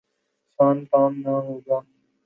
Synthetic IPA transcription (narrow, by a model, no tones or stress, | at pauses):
saːnk̪aːmnaːɦoːɡ̪ãː